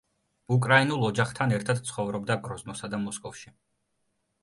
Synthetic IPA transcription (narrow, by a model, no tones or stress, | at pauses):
ukʼɾainulˠɔd͡ʒaχt̪ʰanɛɾt̪ʰad̪t̪sʰχɔvɾɔbd̪aɡɾɔznɔsad̪amɔskʼɔfʃi